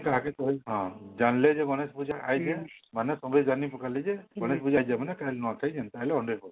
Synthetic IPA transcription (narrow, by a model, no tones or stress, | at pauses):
kaɦakɛt̪ɔɦɦɔ̃d͡ʒanled͡ʒɛɡɔnɛsbud͡ʒaajd͡ʒɛmanɛsɔŋɡɔd͡ʒanipɔkalɛd͡ʒɛɡɔnɛsbud͡ʒajd͡ʒɛmanɛkaɦlɛnɔt̪ʰajd͡ʒɛnt̪alɛɔɳɖɔpɔ